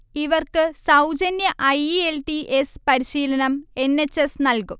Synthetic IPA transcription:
iʋɐrkɨsɐwd͡ʑɐnjɐʔɐjielʈiʔespɐɾiɕiːlɐnɐme̞nːet͡ɕːesnɐlkum

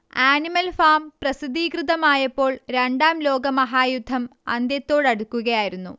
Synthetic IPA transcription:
aːnimɐlfaːmprɐsid̪iːkrɨðɐmaːjɐpːo̞ːɭɾe̞ɳɖaːmlo̞ːɡɐmɐɦaːjud̪ʱːɐmɐ̰nd̪jɐt̪ːo̞ːɽɐɽukːuɣɐjaːjiɾunːṵ

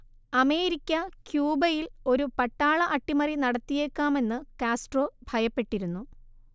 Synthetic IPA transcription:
ɐme̞ːɾikʲːɐkjuːbɐjilo̞ɾupɐʈːaːɭɐʔɐʈːimɐrinɐɽɐt̪ːije̞ːkːaːme̞nːɨkaːsʈro̞ːbʱɐjɐpːe̞ʈːiɾunːu

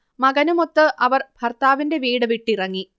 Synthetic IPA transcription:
mɐɡɐnumo̞t̪ːɨʔɐʋɐrbʱɐrt̪aːʋinde̞ʋiːɽɨʋiʈːirɐŋːi

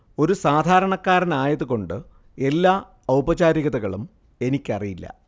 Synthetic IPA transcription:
o̞ɾusaːd̪ʱaːɾɐɳɐkːaːɾɐnaːjɐðuɣo̞ɳɖɨ | e̞lːaː | ɐwbɐd͡ʑaːɾiɣɐðɐɣɐɭum | e̞nikʲːɐrijilːɐ̰

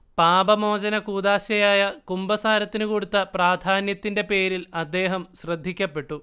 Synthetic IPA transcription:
paːbɐmo̞ːd͡ʑɐnɐkuːd̪aːɕɐjaːjɐkumbɐsaːɾɐt̪ːinukoɽut̪ːɐpraːd̪ʱaːnjɐt̪ːinde̞pe̞ːɾilɐd̪ːe̞ːɦɐmɕrɐd̪ʱːikʲːɐpːe̞ʈːu

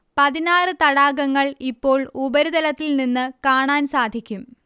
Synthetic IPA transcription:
pɐðinaːrɨt̪ɐɽaːɡɐŋːɐɭipːo̞ːɭubɐɾuðɐlɐt̪ːilninːɨkaːɳaːnsaːd̪ʱikʲːum

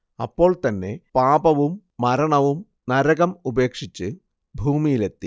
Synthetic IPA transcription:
ɐpːo̞ːɭt̪ɐnːe̞paːbɐʋumːɐɾɐɳɐʋum | nɐɾɐɣɐmube̞ːkʂit͡ɕːɨ | bʱuːmijile̞t̪ːi

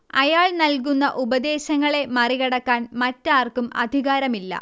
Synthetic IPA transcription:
ɐjaːɭnɐlkunːɐʔubɐd̪e̞ːɕɐŋːɐɭe̞mɐriɣɐɽɐkːaːnmɐtːaːrkumɐ̰d̪ʱiɣaːɾɐmilːɐ̰

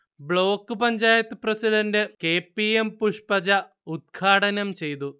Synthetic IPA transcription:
bɭo̞ːkːɨpɐɲd͡ʑaːjɐt̪ːɨprɐsiɖɐndɨkeːpːiempuʂpɐd͡ʑɐ | ud̪̚ɡʰaːʈɐnɐmt͡ɕe̞jt̪u

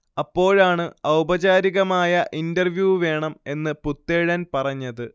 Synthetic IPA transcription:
ɐpːo̞ːɭaːɳɨɐwbɐd͡ʑaːɾiɣɐmaːjɐʔindɐrʋjuːʋe̞ːɳɐme̞nːɨput̪ːeːɻɐnpɐrɐɲːɐðɨ

